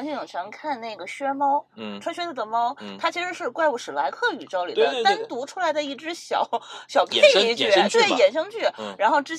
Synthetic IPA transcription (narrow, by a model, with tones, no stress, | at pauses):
nɕy˥˧˩jɑ˨˩ŋt͡ɕʰjɑ˧˥ŋkʰa˥˧nne˥˩ɪɡə˩ɕɥɛ˥mɑ˥ʊʈ͡ʂʰwa˥nɕɥɛ˥t͡sʰə˧˩d̪ə˩mɑ˥ʊt̪ʰa˥t͡ɕʰi˧˥ʂɻ̩˧˥ʂɻ̩˥˧kwa˥˧ɪpu˥˩ʂɻ̩˨˩la˧˥ɪkʰɤ˥˩y˨˩t͡ɕjɑ˥˩ʊli˨˩d̪ə˦˧t̪a˥˧˥nt̪u˧˥ʈ͡ʂʰu˥la˧˥ɪd̪ə˧i˥˩ʈ͡ʂɻ̩˧˥ɕjɑ̰˨˩˦ʊɕjɑ˨˩ʊpʰe˥˩ɪi˥˧t͡ɕy˥˩˥t̪we˥˩ɪjɛ˨˩nʂɤ˥ŋt͡ɕy˥˩ɻa˧˥nxo˥˩ʊʈ͡ʂɻ̩˥